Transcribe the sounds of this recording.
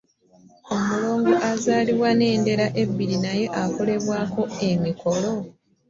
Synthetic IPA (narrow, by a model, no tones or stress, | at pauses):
o̞mulo̞ːŋɡoʔazaːliβwane̞ːnde̞ɾaʔe̞bːiɾinaje̞ʔako̞le̞βwaːko̞e̞miko̞lo̞